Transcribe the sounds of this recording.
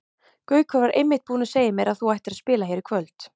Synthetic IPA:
kœːɥkʰvœvɾaɾʔejmːɪht̪̚puːnɪseːjɪmjɛɾaðθuajht̪ɪɾaðspɪːlahɦejɾɪkʰvœlt̪

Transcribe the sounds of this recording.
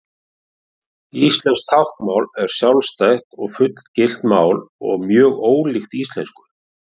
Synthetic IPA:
ist̪lɛnst̪ʰawhkmawlɛɾ̥sjawlst̪ajhk̪ɔɣfʏt̪l̥cɪl̥t̪maːwlɔ̰ɣmjœːɣoːwlixt̪ist̪lɛ̰nskʏ̥

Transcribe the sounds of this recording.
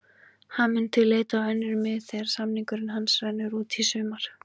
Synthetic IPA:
hanmʏnt̪ʰɪllːeːjt̪aːwɛnːɪɾʏmːɪðθɛɾ̥samniŋkʏɾɪnɦansvanːʏɾuːt̪ʰisʏːmaɾ̥

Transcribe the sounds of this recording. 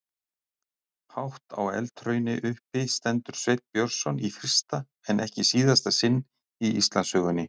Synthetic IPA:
hawht̪ʰa̰wɛ̰lt̪ʰɾœːɥnɪʔʏhpɪst̪ɛnt̪ʏɾ̥svejt̪̚pjœɾ̥sɔnifɾɪst̪a | ɛnʔɛhcɪsiːðast̪asɪnː | iist̪lanshœɣʏnːɪ

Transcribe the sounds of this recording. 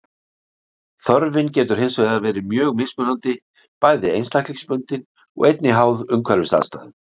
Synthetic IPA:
θɔɾvɪncɛːt̪ʏɾ̥hensœɣðavɛːɾɪmjœːɣmɪspʏnant̪ɪ | pajðɪejnst̪ahk̪likspʏnt̪ɪn | ɔ̰ɣejt̪nɪɦaːwðʏmkʰvɛɾɪst̪a̰ðst̪a̰ːðɪn

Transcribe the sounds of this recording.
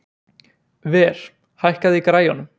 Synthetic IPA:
vɛːɾ̥ | hajhkaðɪikɾaːjɔnʏm

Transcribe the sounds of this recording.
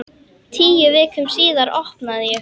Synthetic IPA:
t̪ʰiːjʏvɪːkʏmsiːðaɾɔhpnaðɪjɛ

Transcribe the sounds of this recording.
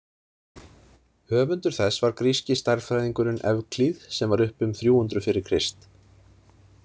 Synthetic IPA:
hœːvʏnt̪ʏɾ̥θɛsːvaɾkɾiscɪst̪ajɾfɾajðiŋkʏɾɪnʔɛ̰vkʰliðsɛmvaɾʏhpʏmθɾjuːhʏnt̪ɾʏfɪɾɪɾkʰɾ̥ɪst̪

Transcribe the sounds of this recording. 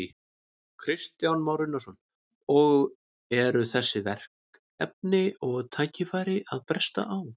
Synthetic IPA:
kʰɾɪst̪jawnmawɾʏnːasɔn | ɔɣ | ɛɾʏθɛsːɪvɛr̥k | ɛp̚nɪɔɣt̪ʰaːcɪfaːjɾɪʔaðpɾɛst̪a̰ʔaw

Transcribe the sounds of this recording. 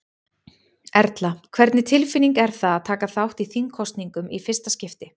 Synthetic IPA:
ɛɾt̪lakʰvɛɾt̪nɪt̪ʰɪlfɪniŋkɛɾ̥θaaðt̪ʰaːkaθawht̪iθinkʰɔst̪niŋkʏmʔifɪr̥st̪ascɪft̪ɪ

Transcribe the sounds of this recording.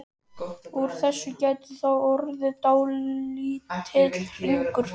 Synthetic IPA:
uɾ̥θɛsːʏcaːjt̪ʏθawɔɾðɪt̪aːwlit̪ʰɪt̪lriŋkʏɾ̥

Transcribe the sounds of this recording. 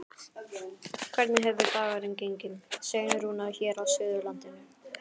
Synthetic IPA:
kʰv̥ɛɾt̪nɪɦɛvvɪɾp̪aːɣaɾɪncejɲcɪnseːjnʏɾhunaçɛːɾawsʏːðʏɾlant̪ɪnɪ

